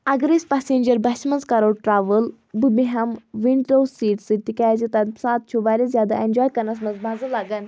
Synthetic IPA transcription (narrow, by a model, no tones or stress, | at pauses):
ɐɡɾispaseːnd͡ʒɐɾbɐʃmɐnzkɐɾoːʈɾaːʋəl | bɨbiɦɐmʋiɳɖɖoːsiːʈsɨt̪ikʲaːzit̪ɐt̪saːt̪̚t͡ʃʰubaːɾʲizʲjaːd̪a̰ʔend͡ʒɔːjkɐɾnɐs̬mɐzbaːzɐlaːɡɐn